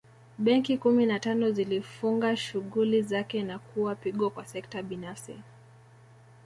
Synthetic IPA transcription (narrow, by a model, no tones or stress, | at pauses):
ɓɛŋkikuminatanɔzilifuŋɡaʃuɣulizakɛnakʰuwapiɠɔkwasɛk̚taɓinafsḭ